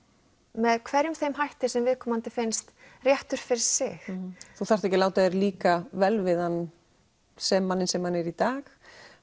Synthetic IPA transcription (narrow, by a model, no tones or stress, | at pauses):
mɛðkʰvɛɾjʏmθejmɦajht̪ɪ̥sɛmvɪðkʰɔːmant̪ɪfejnst̪rjɛht̪ʏɾ̥fɪɾɪɾ̥sɪxθuθḁɛhcɪlawt̪aðɪɾliːkavɛlvɪðan | sɛmːanːɪnsɛmhanɛɾit̪aːx